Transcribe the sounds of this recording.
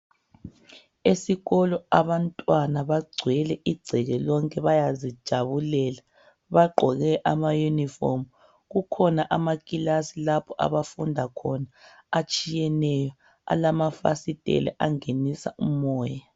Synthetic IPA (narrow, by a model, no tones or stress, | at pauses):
esiɣɔlɔaβantʼwanaβaɡ͡ǀʱwɛlɛʔiɡ͡ǀʱɛɣɛlɔŋkʼɛβajazid̥ʒ̥ʱaβulɛːla | βaǃʱɔɣɛʔamajunifo̰m | ɣukʰɔnaʔamakʼilasilapʰɔʔa̰βafundʱakʰɔnaːt͡ʃʼijɛnɛjɔ | a̰lamafa̰sitʼɛ̰lɛ̰ʔaŋenisa̰umɔːja